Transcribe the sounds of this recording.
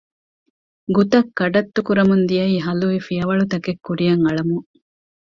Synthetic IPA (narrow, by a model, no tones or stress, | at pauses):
ɡut̪ɐkːɐɖɐt̪ːukuɾɐmund̪ijɐiːɦɐluʋifijɐʋɐɭut̪ɐkekːuɾijɐŋɐɭɐmuŋ